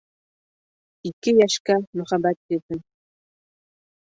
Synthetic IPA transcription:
ikɘjæʃkæmɵ̆χæbæt̪̚kĭɾðɘ

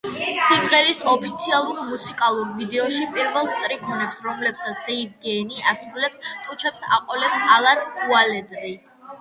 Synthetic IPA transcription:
simʁɛlisɔpʰit̪sʰialˠuɾmusikʼalˠuɾvid̪ɛɔʃipʼiɾvɛlˠst̪ʼɾikʰɔnɛpsɾɔmlɛpsat̪sʰd̪̥ɛid̪̚ɡɛniʔasɾulɛpst̪ʼut͡ʃʰɛpsa̰qʼɔlɛpsalˠad̪ualɛd̪ɾi

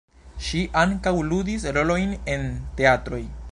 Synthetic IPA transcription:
ʃiʔaŋkawludisɾo̞lo̞jne̞nte̞atɾo̞j

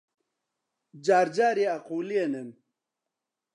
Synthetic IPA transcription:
d͡ʑaːɾd͡ʑaːɾiaquːlienem

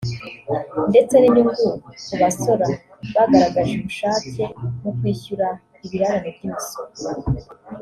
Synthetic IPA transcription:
nde̞t͡se̞niniŋɡuuβaso̞ɾa | βaɡaɾaɡaʒuβuʃaːcemukwiːçuɾa | iβiɾaɾanebjoːsi̥

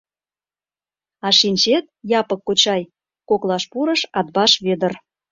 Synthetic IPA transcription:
ɑʃinʲt͡ɕet̪̚jɑpəkːot͡ɕɑj | koklɑʃpuɾəʃɑd̪̚bɑʃβed̪ə̆r

